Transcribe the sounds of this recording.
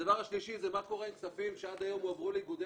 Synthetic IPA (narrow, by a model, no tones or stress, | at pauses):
avaʁaʃliʃizemako̞ʁeksafimʃead̪ajo̞mavʁuliɡud̪e